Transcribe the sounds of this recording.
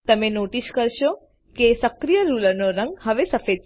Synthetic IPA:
t̪əmẽnoʈiskəɾʃo | kesəkɾijəɾulənoɾə̃ŋɡhəʋesəfed̪̚

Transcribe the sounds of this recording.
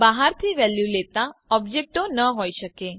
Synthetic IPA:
baɦaɾt̪ʰiʋɛljulet̪ãɔbd͡ʒek̚ʈonəɦojʃəke

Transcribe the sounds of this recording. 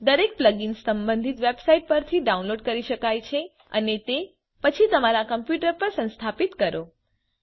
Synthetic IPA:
d̪əɾek̚pləɡinsːəmbə̃nd̪ʱit̪ʋebsaiʈ̚pəɾt̪ʰiɖaũnloɖkəɾiʃəkajt͡ʃʰe | ə̰net̪e | pət͡ʃʰit̪əmaɾakəmpjuʈəɾpəɾsə̃nst̪ʰapit̪kəɾo

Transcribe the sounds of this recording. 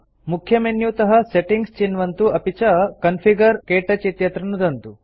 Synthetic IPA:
mukʰjɐmenjut̪ɐɦɐseʈiŋɡst͡ʃinʋɐnt̪uɐpit͡ʃɐkɐnfʰiɡɐɾkeːʈɐt͡ʃit̪jɐt̪ɾɐnud̪ɐnt̪u

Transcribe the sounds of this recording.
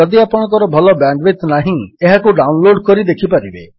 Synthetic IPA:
ɔd̪iapɔɽ̃ɔk̬ɔɾɔbʱɔlɔbaɳɖbet̪naɦĩeɦakuɖawnloɖkɔɾid̪ekʰipaɾibe

